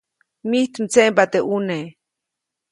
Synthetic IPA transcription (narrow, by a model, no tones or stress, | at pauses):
miht̪mt͡seʔmpat̪eʔune